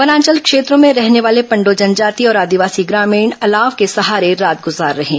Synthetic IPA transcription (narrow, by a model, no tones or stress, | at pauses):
pɐnãːɲt͡ʃəlkʃeːt̪ɾõmẽɾɛɦneʋaːlepɐ̃ɳɖod͡ʒɐnd͡ʒaːt̪iɔːɾaːd̪iʋaːsiɡɾaːmĩːɳɐlaːʋkesɐɦaːɾeɾaːt̪̚ɡʊzaːɾːɐɦẽː